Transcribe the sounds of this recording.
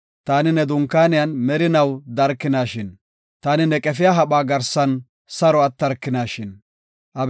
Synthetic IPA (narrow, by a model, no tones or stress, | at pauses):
t̪aːnɪnɛd̪ʊŋkːaːnɪjanmɛɾɪnɐwd̪ɐɾkːɪnaːʃɪn | t̪aːnɪnɛkʼɛfɪjaɦɐɓaːɡɐɾsɐn | sɐɾɔɐt̪ːɐɾkːɪnaːʃɪn | ʔɐb